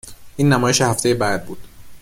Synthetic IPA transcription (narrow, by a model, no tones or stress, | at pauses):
ʔiːnːæmɒːjeʃehæft̪ʰejebæd̪̚buːd̪̥